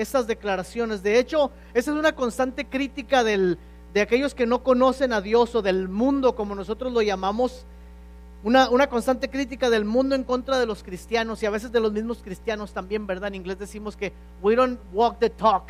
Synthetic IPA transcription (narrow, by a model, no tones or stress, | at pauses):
e̞sazðe̞klaɾasjo̞ne̞zðe̞e̞t͡ʃo̞ | e̞saesunako̞nst̪ant̪e̞kɾit̪ikaðe̞l | d̪eake̞ʝo̞ske̞no̞ko̞no̞se̞naðjo̞so̞ðe̞lmũnd̪o̞ko̞mo̞no̞so̞t̪ɾo̞zlo̞ʝamamo̞s | unaʔunako̞nst̪ant̪̬e̞kɾit̪̬ikað̞e̞lmũnd̪oẽ̞ŋko̞nt̪ɾað̞e̞lo̞skɾist̪jano̞siaβ̞e̞s̬e̞zðe̞lo̞zmizmo̞skɾist̪jano̞st̪ambje̞mbe̞ɾðaeniŋɡle̞zðesimo̞ske̞ | wiɾonwɔk̚d̪et̪ʰɔk